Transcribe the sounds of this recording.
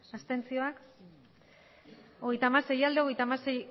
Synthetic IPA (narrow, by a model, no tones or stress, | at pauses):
ast̪e̞nt͡sio̞ak | o̞ɣ̞e̞jt̪amaɾse̞jald̪eo̞ɣ̞e̞jt̪amasej